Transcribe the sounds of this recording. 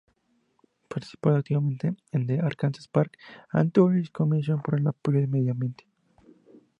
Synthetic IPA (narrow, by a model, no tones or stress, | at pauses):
paɾt̪i̥si̥paðak̚t̪iβamẽnt̪eend̪eʔaɾkansespaɾka̰nt̪ooleiskomis̬jonpoɾelapoʎoðemeðjambjent̪e̥